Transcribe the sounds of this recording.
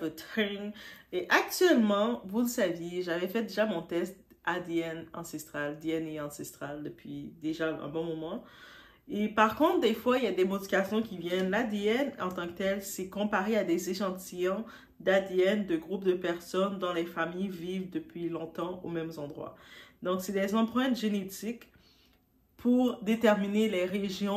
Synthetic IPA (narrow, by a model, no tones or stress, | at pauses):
vət̪χiŋeʔak̚t̪ɥɛlmɑ̃vuləsavjeʒavɛfɛd̪eʒamɔ̃t̪ɛst̪̚ | ad̪eɛnɑ̰̃sɛst̪χald̪eɛneɑ̃sɛst̪χald̪əpɥid̪eʒaɛ̰̃bɔ̃mɔmɑ̃ | epaʁkɔ̃t̪χd̪efwailjad̪emɔt̪ivasjɔ̃kʲivjɛnlad̪eɛnɑ̰̃t̪ɑ̃kə̥t̪ɛlsɛkɔ̃paʁead̪ɛzeʃɑ̃t̪ijɑ̃ | d̪ad̪eɛnd̪əɡʁup̚d̪əpɛʁsɔnd̪ɑ̃lɛfamijvivd̪əpɥilɔ̃t̪ɑ̃omɛmzɑ̃d̪ʁwa̰d̪ɔ̃ksɛd̪ɛzɑ̃pχɛ̃t̪ʒenet̪ik | pʰuʁd̪et̪ɛʁminelɛʁeʒjɔ̃